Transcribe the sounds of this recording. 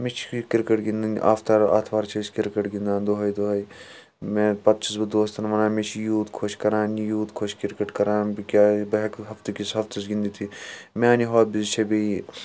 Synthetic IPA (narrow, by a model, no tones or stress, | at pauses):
met͡ʃʰkɪɾkəʈɡĩnd̪inʔa̰ːft̪ɐɾa̰ːt̪ʰʋaːɾt͡ʃʰɐskiɾkəʈɡĩnd̪ãːnd̪oɦɐid̪oɦɐi | mẽpɐt̪̚t͡ʃʰisbɐd̪oːst̪ɐnʋɐnãːmet͡ʃʰjuːt̪kʰoʃkɐɾãːnjuːt̪kʰoʃkɪɾkəʈkɐɾãːnbikʲaːbɐɦɐkɦɐft̪ekisɦɐft̪ɐsɡĩnd̪it̪ʰimẽaːniɦoːt̪̚bizt͡ʃʰebei